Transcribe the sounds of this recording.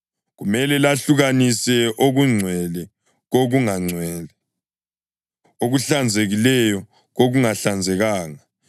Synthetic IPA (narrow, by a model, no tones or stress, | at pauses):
ɣumɛlɛlaɬuɣanisɛʔoɣuŋ͡ǀʱwɛlɛ | ɣoɣuŋaŋ͡ǀʱwɛːlɛ | oɣuɬand͡zʱeɣilɛjɔ | ɣoɣuŋaɬand͡zʱɛɣaːŋa